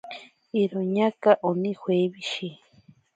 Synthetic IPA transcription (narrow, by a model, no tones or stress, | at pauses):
iɾoɲakaʔonĩhweβiʃi